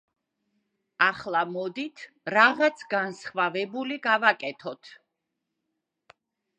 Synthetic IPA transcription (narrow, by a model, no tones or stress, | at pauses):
aχlˠamɔd̪it̪ʰ | ɾaʁat̪sʰɡansχvavɛbuliɡavakʼɛt̪ʰɔt̪ʰ